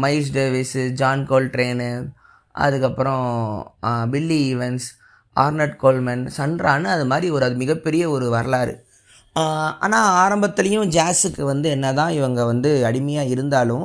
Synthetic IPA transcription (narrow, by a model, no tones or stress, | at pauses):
mɐɪs̬ɖeʋɐsd͡ʒaːnkoːlʈɾeːn | ʔɐ̰ðɯkːɐpːɯɾɔ̃ | bɪlːiɪʋɛns | a̰ːɾnɐʈkoːlmɐnsɐɳɖɾaːnɯɐðɯmaːd̪ɾiɔɾɯɐðɯmɪɣɐpːɛɾɪjɐɔɾɯʋɐɾɐlaːɾɯ̰ | a̰ːnaːaːɾɐmbɐt̪ːɪlɐjʊ̃d͡ʒaːsɯkːɯʋɐnd̪ɯɛnːɐt̪ãːɪʋɐŋɡɐʋɐnd̪ɯɐɽɪmɐjaːɪɾɯnd̪aːlʊ̃